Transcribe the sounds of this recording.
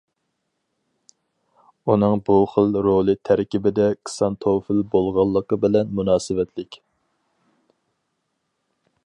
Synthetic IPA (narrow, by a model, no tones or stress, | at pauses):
unɨŋbuχəlˠɾolˠɨt̪ʰæɾkʲibɪd̪ɛkʰsɑnt̪ʰofɪlbolˠʁɑlˠːəqəbɪlɛnmunɑːsɨwɛt̪ʰlɪkʲ